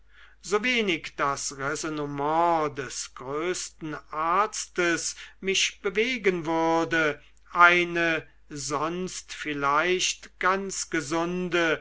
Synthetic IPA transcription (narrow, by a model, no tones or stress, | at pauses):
z̥oveːnɪkd̥asʁɛzonomɑ̃dɛsɡ̥ʁøːstn̩ʔaɐstəsmɪʃb̥əveːɡənvʏɐdə | ʔaɪnə | zɔnstfɪlaɪʃtɡ̥ansɡ̥əzʊndə